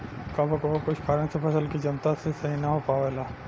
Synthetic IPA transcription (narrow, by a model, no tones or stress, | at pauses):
kabʱɐkbakʊt͡ʃʰkʰaɾə̃nsepʰɐsəlkid͡ʒɐnt̪asesɐɦinaɦopaːʋeːlaː